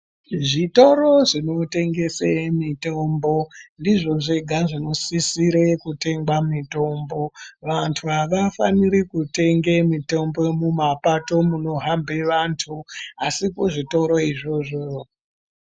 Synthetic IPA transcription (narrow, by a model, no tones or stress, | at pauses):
ʐito̞ɾo̞ʐino̞te̞ŋɡe̞semito̞ːmbo̞ndiʐo̞ʐeɡʱaʐino̞sisiɾekute̞ŋɡamito̞mbo̞ʋantʰuɦaʋafaniɾikute̞ŋɡe̞mito̞mbo̞mumapato̞muno̞ɦambe̞ʋantʰuasikoʐito̞ɾo̞iʐo̞ʐo